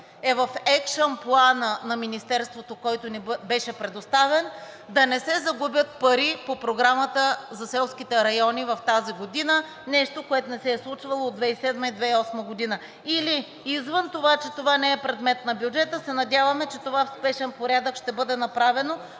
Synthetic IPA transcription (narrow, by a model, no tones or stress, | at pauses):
ɛvɐfɛkʃənplˠanənɐminist̪ɛɾst̪vot̪okɔjt̪onibɛʃɛpɾɛd̪ost̪avɛn | d̪ɐnɛsɛzɐɡubʲjət̪̚pɐɾipopɾoɡɾamət̪əzɐsɛlˠskʲit̪ɛɾɐjɔnivɐft̪aziɡod̪inə | nɛʃt̪okoɛt̪ʊnɛsɛːslˠut͡ʃvɐlˠoːd̪vɛisɛd̪məid̪vɛiɔsməɡod̪inə | iliː | zvənt̪ovat͡ʃɛt̪ovanɛɛpɾɛd̪mɛt̪nɐbjud͡ʒɛt̪əsɛnɐd̪ʲavɐmɛt͡ʃɛt̪ovafspɛʃɛnpoɾʲjad̪əkʃt̪ɛbɤd̪ɛnɐpɾavɛno